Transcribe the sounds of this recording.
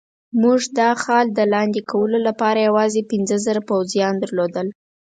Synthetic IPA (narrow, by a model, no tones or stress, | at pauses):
muʐd̪ɑxɑld̪əlɑnd̪ekʰawəlolapɑɾajawɑzepɪnzəzəɾapawzjɑnd̪əɾlod̪əl